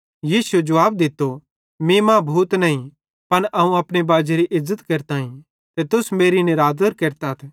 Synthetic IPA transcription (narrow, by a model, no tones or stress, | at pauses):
jiːsued͡ʒɐʋaːb̚d̪ɪt̪ːo | mĩmãːbʱuːt̪nɐĩ | pɐnʔɐũɐpɽ̃ebaːd͡ʒeɾiʔɪzːət̪keːɾt̪aːĩ | t̪et̪ʊsmeːɾinɪɾaːd̪əɾkeːɾt̪aɦt̪ʰɛ